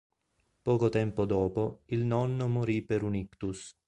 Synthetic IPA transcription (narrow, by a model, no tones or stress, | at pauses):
pɔːkot̪ɛmpod̪ɔːpoilnɔnːomoɾipeɾunikt̪us